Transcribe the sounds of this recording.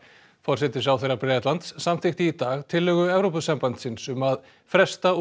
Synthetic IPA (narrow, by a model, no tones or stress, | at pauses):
fɔr̥sɛt̪ɪsawθejɾapɾɛːt̪lant̪sːamt̪ʰɪxt̪ɪːt̪aːɣt̪ʰɪlːœɣʏɛvɾowpʏsɛmpant̪sɪnsʏmað | fɾɛst̪a